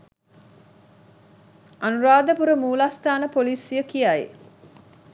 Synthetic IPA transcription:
anuɾaːd̪əpuɾəmuːlast̪aːnəpoliːsijəkijaḭ

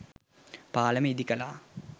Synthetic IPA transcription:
paːləməid̪ikəlaː

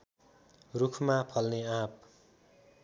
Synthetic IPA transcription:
rukʰmapʰʌlneap̚

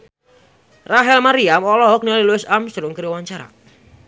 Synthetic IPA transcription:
raɦɛlmaɾiamɔlɔɦɔk̚niɔliluɪsamst̪ɾʊŋkəɾiwaɲt͡ʃaɾa̰

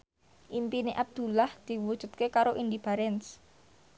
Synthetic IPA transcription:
ʔimpineʔab̚d̪̥ṳlahd̪̥i̤wud̥ʒ̥ṳt̪̚kekaɾoʔind̪ib̥aɾɛns

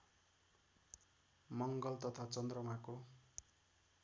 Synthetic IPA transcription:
mʌŋɡʌlt̪ʌt̪ʰat͡sʌnd̪rʌmako

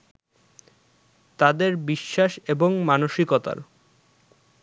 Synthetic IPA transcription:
t̪ad̪eɾbiʃːaʃeboŋmanoʃikot̪a̰ɾ

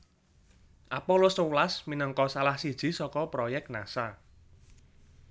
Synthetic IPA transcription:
ʔapɔlɔsowlasminəŋkɔsalahsid̥ʒ̥i̤sɔkɔpɾɔjɛk̚tna̰sa

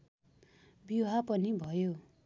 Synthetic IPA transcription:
biɦapʌnibʱʌjo

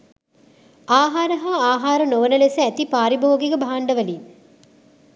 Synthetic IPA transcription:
aːɦaːɾəɦaːaːɦaːɾənoʋənəlesəæt̪ipaːɾiboːɡeɡəbaɦaɳɖəʋælin

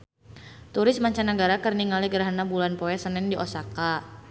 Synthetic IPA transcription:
t̪uɾɪsmaɲt͡ʃanəɡaɾakərniŋaliɡəɾaɦanabulanpoɛsənɛndiʔɔsaka

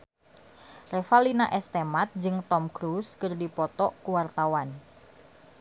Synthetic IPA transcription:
refalinaʔɛst̪emat̪̚d͡ʒɨŋt̪ɔmkɾuskɨrdipɔt̪ɔʔkuwart̪awan

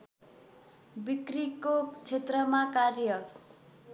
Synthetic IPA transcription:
bikrikot͡sʰet̪rʌmakarjʌ

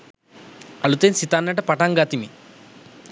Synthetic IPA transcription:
ɐlut̪ensit̪aːnːɐʈɐpɐʈaŋɡaːt̪imi

